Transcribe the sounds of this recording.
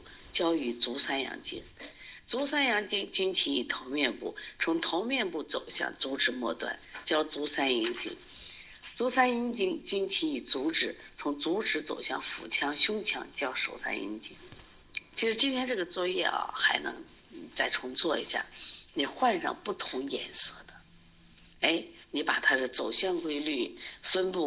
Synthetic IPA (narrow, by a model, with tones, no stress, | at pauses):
t͡ɕjɑ˥ʊy˧˩t͡su˧˥sa˥njɑ̰˧˥ŋt͡ɕḭ˥ŋt͡su˧˥sa˥njɑ˧˥ŋt͡ɕi˥ŋt͡ɕy˥nt͡ɕʰi˧˥i˨˩t̪ʰo˧˥ʊmʲjɛ˥˧npṵ˥˩t͡sʰʊ˧˥ŋt̪ʰo˧˥ʊmjɛ˥˧npu˥˩t͡so˨˩ʊɕjɑ̰˥˩ŋt͡su˧˥ʈ͡ʂɻ̩˧˥mwɔ˥˧t̪wa̰˥˩nt͡ɕjɑ˥ʊt͡su˧˥sa˥ni˧˥nt͡ɕḭ˥ŋ | t͡su˧˥sa˥ni˥nt͡ɕi˥ŋt͡ɕy˥nt͡ɕʰi˧˥ŋi˨˩t͡su˧˥ʈ͡ʂɻ̩˧˩˥ | t͡sʰʊ˧˥ŋt͡su˧˥ʈ͡ʂɻ̩˧˥t͡so̰˨˩ʊɕjɑ̰˥˩ŋfṵ˨˩t͡ɕʰjɑ˧˥ŋɕjʊ˥ŋt͡ɕʰjɑ̰˧˥ŋt͡ɕjɑ˥ʊʂo˨˩ʊsa̰˥nḭ˧˥nt͡ɕi˥ŋ | t͡ɕʰi˧˥ʂɻ̩˧˥t͡ɕi˥nt̪ʰjɛ˥nʈ͡ʂɤ˥˩ɡə˩t͡swɔ˥˧jɛ̰˥˩ɐ̰˩xa˧˥ɪnɤ̰˧˥ŋt͡sa˥˩ɪʈ͡ʂʰʊ˧˥ŋt͡swɔ˥˩ḭ˧˥ɕja̰˥˩ni˨˩xwa˥˧nʂɑ̰˥˧ŋpu˥˩t̪ʰʊ˧˥ŋjɛ̰˨˩nsɤ˥˩d̪ə˦ | e˥˩ɪni˧˥pa˨˩t̪ʰa˥d̪ə˨t͡so˨˩ʊɕjɑ˥˩ŋkwe˥ɪly˥˩fə˥npu˥˩